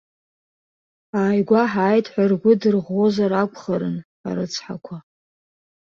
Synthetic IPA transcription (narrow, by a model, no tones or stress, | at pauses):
aːjɡʷaħaːjtʰʼħʷarɡʷʊdɨrʁo̞zaɾakʷʰʼχəɾɨ̰n | a̰ɾɨt͡sʰħa̰kʷʰa